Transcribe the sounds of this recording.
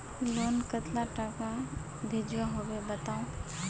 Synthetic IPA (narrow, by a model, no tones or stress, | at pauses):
loːnkət̪laʈaka | bʱed͡ʒʋaɦowebət̪aːõ